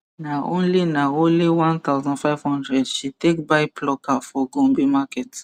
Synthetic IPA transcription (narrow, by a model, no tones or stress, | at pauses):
naõnlinaõnliwãnt̪aʊzɔ̃nfajv̥hɔ̃ndɹɛdʃitekbaɪplɔkafɔɡũmbimakɛt